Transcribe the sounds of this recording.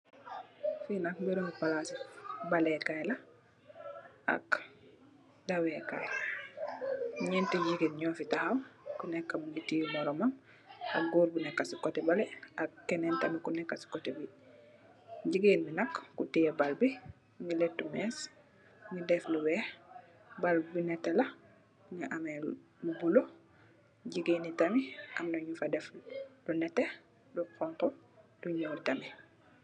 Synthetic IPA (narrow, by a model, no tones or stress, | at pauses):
finak̚biɾuŋipalasibalɛkajla | a̰k | dawɛkaj | ɲɛntiɟiɡinɲɔːfitahawkunɛkːamuŋɡitijumɔɾɔmam | a̰kɡuɾbunɛkːasikotɛbalɛakːɛnɛntamikunɛkːasi̥kotɛbi | ɟiɡinminɐkːutijɛbalbi | ŋilɛtːumɛːs | ŋɡidɛfluwɛh | balbinɛtːɛla | ŋiʔamɛ | lubulo | ɟiɡiːnitamiʔa̰mdɔɲufadɛfdunɛtɛ | duqɔŋkɔduɲuɾtami